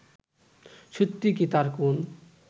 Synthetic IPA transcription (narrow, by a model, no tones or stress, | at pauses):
ʃut̪ːikit̪aɾkun